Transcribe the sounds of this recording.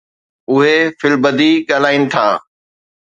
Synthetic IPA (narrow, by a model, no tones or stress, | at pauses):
ʊɦefɪlbəd̪iɠaːl̤aːinɪ̆t̪ʰaː